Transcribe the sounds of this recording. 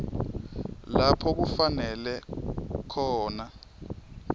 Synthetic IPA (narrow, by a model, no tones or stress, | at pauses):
lapʰɔk̬ufanɛlɛkʰɔːna